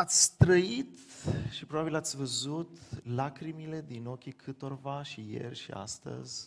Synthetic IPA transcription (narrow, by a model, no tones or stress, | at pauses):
at̪sʲt̪ɾəit̪ʃipɾobabilat̪sʲvəzut̪lakɾimile̞d̪ino̞kʲikʰɨt̪o̞rvaʃije̞̰rʲʃḭa̰st̪ə̰zʲ